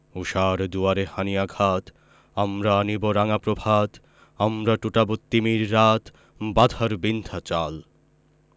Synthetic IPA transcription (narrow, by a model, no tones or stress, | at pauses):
uʃaɾd̪uaɾehanijaɡʱat̪ | amɾaːniboɾaŋapɾobʱat̪ | amɾaʈuʈabot̪ːimiɾːat̪ | bad̪ʱaɾbind̪ʰʱat͡ɕal